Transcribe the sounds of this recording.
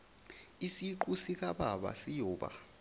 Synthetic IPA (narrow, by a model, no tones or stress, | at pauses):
isiǃusik̬ʼaɓaɓa̰sijɔːɓa̰